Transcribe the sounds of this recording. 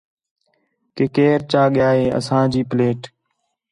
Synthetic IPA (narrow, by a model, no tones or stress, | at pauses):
kekeːɾt͡ʃaːɠɪjaːɦeːə̰sãːd͡ʒiːpɪleːʈ